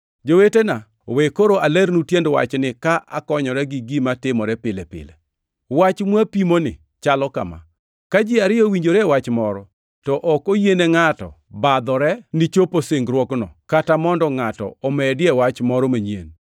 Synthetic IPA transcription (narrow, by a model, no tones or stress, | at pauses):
d͡ʒowetena | wekoɾoʔalɛɾnutjendwa̰t͡ʃnɪkaʔa̰kɔɲɔɾɛɡɪɡimatɪmɔɾɛpɪlɛpɪ̰lɛ | wat͡ʃmwapimonɪ̰ | t͡ʃalɔka̰ma̰ | kad͡ʒɪaɾɪɔwiɲd͡ʒoɾɛwat͡ʃmɔɾɔ | tɔʔɔkojeneŋatɔ̰ | bad̪ɔɾɛnɪt͡ʃoposeŋɡɾwɔknɔkatamɔndɔŋatɔ̰ɔmɛdɪɛwat͡ʃmɔɾɔmaɲiḛn